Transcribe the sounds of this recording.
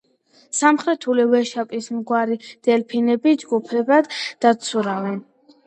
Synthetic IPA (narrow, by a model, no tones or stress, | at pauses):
samχɾɛt̪ʰulivɛʃapʼismɡwaɾid̪̥ɛlpʰinɛbid͡ʒɡupʰɛbad̪d̪at̪sʰuɾavɛn